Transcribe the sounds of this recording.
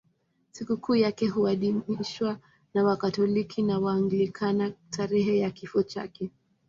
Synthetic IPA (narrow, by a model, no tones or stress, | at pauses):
sikukuːjakɛɦuaɗimiʃwa | nawakatɔlikʰinawaːŋɡilikʰanatʰaɾɛɦɛjakifɔt͡ʃa̰kɛ